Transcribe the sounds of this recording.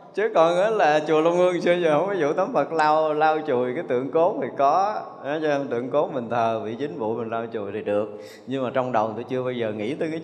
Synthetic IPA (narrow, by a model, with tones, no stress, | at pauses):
t͡ɕɨ˨˦kɔ˨˩naː˨˦laː˨˩t͡ɕu˨˩əlu˧ŋ͡mʔɨ˧əŋt͡ɕɨ˧əzhə˧wŋ͡mfa˨˦jzṵ˧˨t̪ə˨˦ŋ͡mvə˨˩t̚laː˧wlaː˧wt͡ɕu˨˩jkaː˨˦jt̪ɨ̰˧˨əŋko˨˦t̪ʰi˨˩kɔ˨˦ | a˨˦t͡ɕɔ˧t̪ɨ̰˧˨əŋko˨˦mï˨˩ŋ̟t̪ʰəː˨˩vḭ˧˨t͡ɕï˨˦ŋ̟vṵ˧˨mï˨˩n̟laː˧wt͡ɕu˨˩jt̪ʰi˨˩ɗɨ˨˩ək̚ | ɲɨ˧ŋmaː˨˩t͡ɕɔ˧wŋ͡mɗə˨˩wŋ͡mt̪o˧jt͡ɕɨ˧əɓaː˧wzəː˨˩ŋḭ˧˥t̪əː˨˧jkaː˨˦